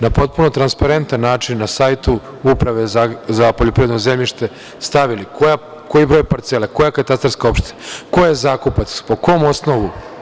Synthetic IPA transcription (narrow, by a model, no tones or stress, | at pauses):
napo̞t̪̚puno̞t̪ɾanspaɾe̞nt̪anːaːt͡ʃinːasajt̪u | upɾaʋezazapoʎopɾiʋed̪nozemʎiʃt̪e̞ | st̪aʋilikʰoja | ko̞jibɾo̞jpaɾt̪selako̞jakat̪ast̪aɾskao̞pʃt̪eko̞jezaːkupat̪spo̞ko̞mo̞sno̞ʋu